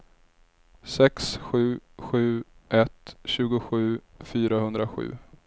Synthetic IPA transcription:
sɛksɧʉ̟ːɧʉ̟ːʔɛt̪ɕʉ̟ːɡʊɧʉ̟ːfyːɾahɵnd̪ɾaɧʉ̟̰ː

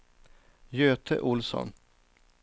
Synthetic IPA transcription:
jøːt̪ʰə̰ʔʊlsɔ̰n

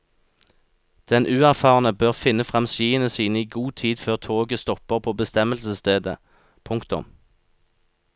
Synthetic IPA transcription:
d̪̥ɛnʔʉːæʁfɑːʁnəbøːʁfɪnəfʁɑmsiːənəsiːnəiːɡuːt̪ʰiːd̪føːʁt̪ʰoːɡəst̪ɔpəʁpʰoːbəst̪ɛməlsəst̪eːd̪ə̰ | pʰʊŋkt̪ʊ̰m

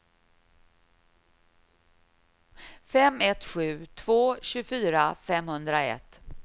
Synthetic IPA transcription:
fɛmɛt̪ɧʉ̟ːt̪ʰvoːɕʉfyːɾafɛmhɵnd̪ɾaɛ̰t̪

